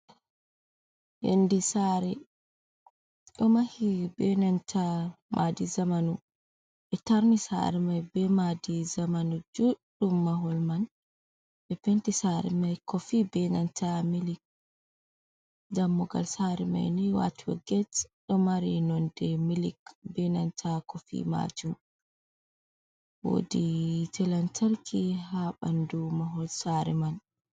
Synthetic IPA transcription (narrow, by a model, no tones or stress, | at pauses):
ʔḛndisaɾɛ | ɗɔmahibɛnantamʔadizamanu | ʔɛtaɾnisa̰ɾɛmajbɛmadizamanud͡ʒuɗumːaɦɔlman | ʔɛpɛntisaɾɛ̰majkɔfibɛnantamilik̚ | damːɔɡa̰lsaɾima̰jnɛjwa̰twɔ̰ɡɛtɗɔmaɾinɔndɛmilikbɛnantʰakofḭma̰d͡ʒum | wo̰ditʰɛlantʰalkʰihaɓandumaɦɔlsaɾiman